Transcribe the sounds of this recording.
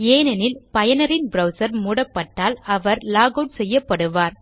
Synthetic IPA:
eːnɐnɪlpɐjɐnɐɾɪnbɾɐʊsɐɾmuːɽɐpːɐʈːaːlɐʋɐɾlaːɣoːɖsɛjːɐpːɐɽɯʋaːɾ

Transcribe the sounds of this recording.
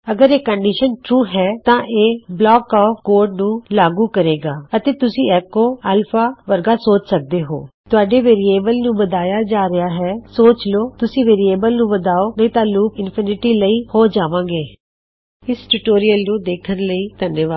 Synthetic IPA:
əɡəɾeːkəɳɖiːʃənʈɾuːɦɛːt̪ãːʔeːblɔːkɔːpkoːɾɖnũːlaːɡuːkəɾeːɡaːət̪eːt̪ʊsĩːɛːkːõːəlfʰaːʋəɾɡaːsoːt͡ʃsək̚d̪eːɦo̰ːt̪ʊaːɖeːʋeːɾieːbəlnũːbəd̪aːjaːd͡ʒaːɾɪaːɦɛːsoːt͡ʃloːt̪ʊsĩːʋeːɾieːbəlnũːbəd̪aːoːnəĩːt̪ãːluːpɪnpʰɪnɪʈiːləiːhoːd͡ʒaːʋãːɡeː | ɪsʈuʈoːɾɪjəlnũːd̪eːkʰənləiːt̪ənjəʋaː

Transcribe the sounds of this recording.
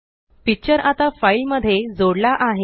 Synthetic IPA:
pik̚t͡ɕəɾat̪afailməd̪ʱːjed͡zoɽlaʔaɦe

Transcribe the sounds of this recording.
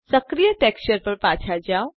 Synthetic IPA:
səkɾijəʈekst͡ʃəɾpəɾpat͡ʃʰad͡ʒaw̃

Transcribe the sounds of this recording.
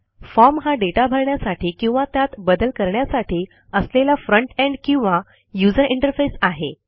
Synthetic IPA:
fɔɾmɦaɖeʈabʱəɾɳjasaʈʰiːkĩw̃ʋat̪jat̪bəd̪əlkəɾɳjasaʈiː | əslelafɾəɳʈɛ̃ɳɖkĩw̃ʋa | jud͡zəɾiɳʈəɾfesaɦe

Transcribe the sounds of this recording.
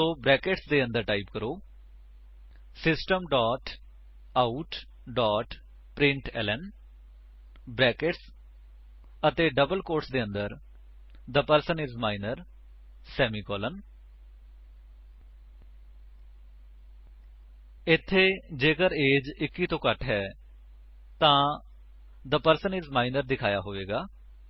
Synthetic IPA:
oːbɾɛːkeʈsd̪eːə̃nd̪əɾʈaːiːpkəɾoː | sɪsʈəmɖɔːʈ | aːuʈ | ɖɔːʈ | pɾɪ̃ɳʈɛ̰ːlɛn | bɾɛːkeʈs | ət̪eːɖəbəlkoːɾʈsd̪eːə̃nd̪əɾ | d̪əpəɾsənɪzmaːinəɾ | sɛːmiːkɔːlən | ɪt̪ʰːeːd͡ʒeːkəɾeːd͡ʒɪkːiːt̪õːkəʈɦɛː | t̪ãː | d̪əpəɾsənɪzmaːinəɾd̪ɪkʰaːjaːɦoːʋeːɡaː

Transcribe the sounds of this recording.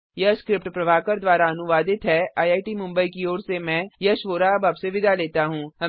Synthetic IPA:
jɐskɾɪpʈpɾɐʋaːkəɾd̪ʋaːɾaɐnʊʋaːd̪ɪt̪ɦɛaːjaːiʈimʊ̃mbəikioːɾsemɛ̃ːjɐʃʋoːɾaɐbaːbseʋɪd̪ʱaleːt̪aɦũːɦɐ

